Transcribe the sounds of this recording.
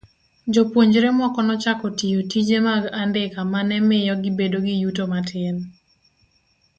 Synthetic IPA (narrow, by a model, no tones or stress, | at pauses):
d͡ʒopwoɲd͡ʒɾemwɔkɔnɔt͡ʃakɔtijotid͡ʒemaɡandɪkamanɛmɪjɔɡɪbedoɡijutomatʰɪn